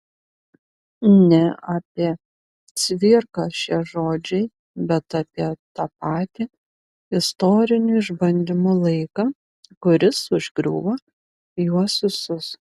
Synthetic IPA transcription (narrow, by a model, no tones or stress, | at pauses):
nʲɛaːpʲiɛ | sʲʋʲɪːɾkɐʃʲiɛʒoːd͡ʒʲɛɪ | bʲɛt̪ɑːpʲiɛt̪ɑːpɑːt̪ʲi | ɪst̪oːɾʲɪnʲʊɪʒbɐnʲd̪ʲɪmʊlˠɐɪkɑː | kʊɾʲɪsʊʒʲɡɾʲṵːʋɐ | juɔsʲɪsʊs